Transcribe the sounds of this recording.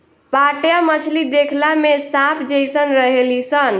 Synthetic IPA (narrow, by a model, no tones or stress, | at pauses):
paʈjamət͡ʃʰlid̪ekʰlamesapʰd͡ʒəjsənɾəɦelisən